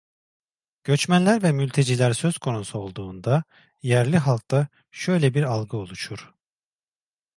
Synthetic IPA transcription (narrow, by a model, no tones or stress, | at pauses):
ɟ̥ø̞t͡ʃmænlʲæɾvɛmylʲt̪ʰe̞d͡ʒilʲæɾsø̞z̥kʰo̞nusuo̞lˠd̪uːnd̪a | jæɾlʲiɦalˠk̚t̪a | ʃø̞jlʲɛbiɾalˠɡɯo̞lˠuʃuɾ̥